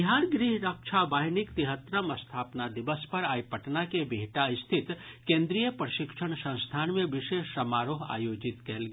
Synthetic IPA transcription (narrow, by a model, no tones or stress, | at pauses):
ɪɦaːɾɡɾiɦɾəkʃʰabaːɦnɪkt̪ɪɦət̪ɾəmɐst̪ʰaːpnad̪ɪʋəspɐɾaːjpəʈnakebiɦʈaɪst̪ʰɪt̪kẽːnd̪ɾijəpɾəʃɪkʃʰəɳ̃sɐ̃w̃st̪ʰaːnmẽʋɪʃeːʃɐmaːɾoːɦa̰ːjoːd͡ʒɪt̪kɛɦlɡeː